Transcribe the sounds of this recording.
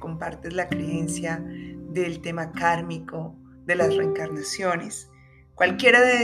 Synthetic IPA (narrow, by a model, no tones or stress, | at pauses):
ko̞mpaɾt̪ezlakɾe̞e̞nsjaðe̞lt̪e̞makaɾmiko̞ | ðe̞lazreːŋkaɾnasjo̞nes | kwalkje̞ɾaðe